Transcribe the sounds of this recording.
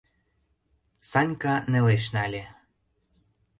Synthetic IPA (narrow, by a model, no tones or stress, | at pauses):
sɑnʲkɑnĕleʃ̬nɑlʲe